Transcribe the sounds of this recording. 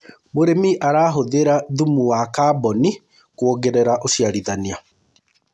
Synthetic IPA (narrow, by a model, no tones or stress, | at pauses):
moɾemiʔaɾaːɦoðeɾaðumuwakaːbɔni | kwoɡeɾeɾaʔoʃiaɾiðania